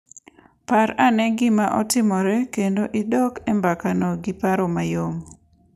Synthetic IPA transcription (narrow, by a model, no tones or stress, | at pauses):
paɾanɛɡɪmaʔɔtɪmɔɾɛkendoʔɪdɔkɛmbakanoɡipaɾomajom